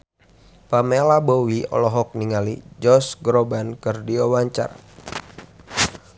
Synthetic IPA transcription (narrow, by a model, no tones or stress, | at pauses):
pamelabowiɔ̰lɔɦɔk̚niŋalid͡ʒɔsɡɾobankɨrdiawaɲt͡ʃa̰r